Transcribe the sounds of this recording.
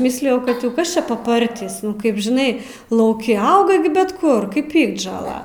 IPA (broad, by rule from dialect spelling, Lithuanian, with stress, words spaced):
ˈmʲɪsʲlʲɪjɛʊ kɐt jɛʊ ˈkɐs ˈt͡ʃʲɛ pɐˈpɐrʲtʲiːs ˈnʊ ˈkɐɪp ʒʲɪˈnɐɪ lˠɐʊˈkʲɪ ˈɐʊɡɐ ɡʲɪ bʲɛt ˈkʊr kɐɪp ˈpʲɪɡdʒoːlˠɐ